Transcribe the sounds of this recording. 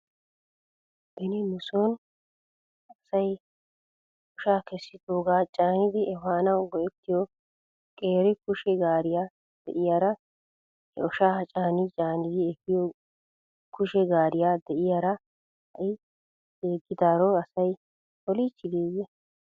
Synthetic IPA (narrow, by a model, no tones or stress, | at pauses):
b̥ɛnɪnʊsoːn | ɐsɐj | ɔʃaːkɛsːɪd̪oːɡaːt͡ʃʼaːnɪd̪ɪɛfaːnɐwɡɔʔɛt̪ːɪjɔ | kʼeːɾɪkʊʃɛɡaːɾɪjaː | d̪̥ɛ̰ʔɪjaːɾɐ | hɛ̰ɔʃaːhɐt͡ʃʼaːnɪt͡ʃʼaːnɪd̪ɪɛɡɪjo | kʊʃɛɡaːɾɪjaːd̪ɛʔɪjaːɾɐ | hɐʔɪ | deːɡːɪd̪aːɾoɐsɐj | ɔliːt͡ʃːɪɡ̪eːjɛ